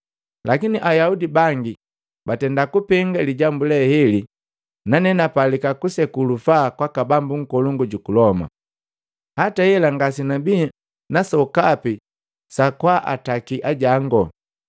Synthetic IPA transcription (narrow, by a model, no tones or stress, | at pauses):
lakiniʔajaudibaŋɡi | batɛndakupɛŋɡaliɟambulɛhɛli | nanɛnapalikakusɛkulufakwakabambuŋ̩kɔluŋɡuɟukulɔma̰ | hatajɛlaŋɡasinabi | nasɔkapi | sakwaʔa̰takiʔaɟaŋɡɔ